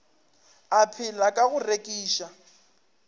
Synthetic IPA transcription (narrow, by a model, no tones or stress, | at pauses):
apʰɪlakʼaɣʊrekʼiːʃa